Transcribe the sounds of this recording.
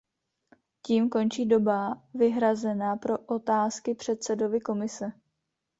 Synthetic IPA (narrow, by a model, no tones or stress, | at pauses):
ciːmko̞nt͡ʃiːdo̞bavɪɦɾazɛnaːpɾo̞ʔot̪aːskɪpr̥ɛt̪sɛdo̞vɪko̞mɪsɛ